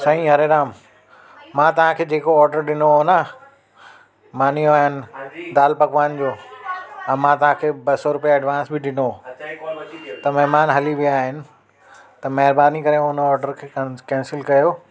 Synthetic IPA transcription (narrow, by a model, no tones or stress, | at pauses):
sɐɦĩɦɐɾeɾaːm | mãːt̪ɐʋ̤ãkʰeːd͡ʑeːkoɔːɾɖəɾɗɪnoɦona | maːnijoaːɦɪnɪ̆d̪aːlpɐɡʋaːnd͡ʑoː | ɛ̃ːmãt̪ɐʋ̤ɦãkʰeːbɐsɔɾʊpijaɐɖʋãːnsbɪɗɪno | t̪ɐmɐɦmaːnɦɐliʋiaːɦɪnɪ̆ | t̪ɐmɛɦɪɾbaːnikɐɾẽʊnɔːɾɖəɾkʰeːkɛ̃ːnsɪlkɐjoː